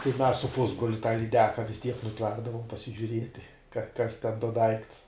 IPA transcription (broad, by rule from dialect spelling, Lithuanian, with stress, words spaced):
tɐɪ mʲɛs sʊ ˈpʊzbroːlʲʊ tɑː lʲiːˈdʲæːkɐ ʋʲɪs tʲiɛk nʊˈplˠɑːɡdɐʋoːm pɐsʲɪʒʲʊˈrʲiɛtʲɪ kɐ kɐs tʲɛn doː ˈdɐɪkts